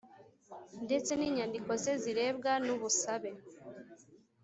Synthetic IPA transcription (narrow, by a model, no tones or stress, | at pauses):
nde̞t͡se̞niːɲaːndiko̞zeziɾe̞ːbɡanuβusaβe̞